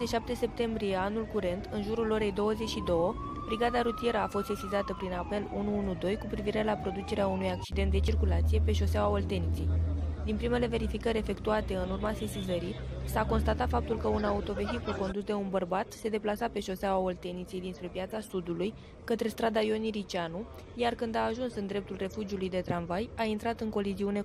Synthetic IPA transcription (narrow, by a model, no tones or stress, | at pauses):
eiʃap̚t̪e̞se̞p̚t̪e̞mbɾije̞anulkuɾe̞nt̪ɨnʒuɾulo̞ɾe̞jd̪o̞wəze̞t͡ʃʃid̪o̞wə | bɾiɡad̪aɾut̪ije̞ɾəafo̞st̪sesizat̪əpɾinape̞lunuunud̪o̞jkupɾiviɾe̞lapɾo̞d̪ut͡ʃe̞ɾeaunujak̚t͡ʃid̪ent̪d̪e̞t͡ʃirkulat̪sije̞pe̞ʃo̞sawaolt̪e̞nit̪sejd̪inpɾime̞le̞ve̞ɾifikəɾʲe̞fe̞kt̪uat̪e̞ɨnurmase̞sizəɾijsako̞nst̪at̪at̪fap̚t̪ulkəunaut̪o̞ve̞xikulko̞nd̪usd̪e̞unbərbat̪se̞d̪e̞plasape̞ʃo̞sawaolt̪e̞nit̪sejd̪inspɾe̞pjat̪sasud̪uluj | kət̪ɾe̞st̪ɾad̪ajo̞niɾit͡ʃianu | jarkɨnd̪aːʒunsɨnd̪ɾe̞p̚t̪ulre̞fud͡ʒiulujd̪e̞t̪ɾanvajaint̪ɾat̪ɨŋko̞liziune̞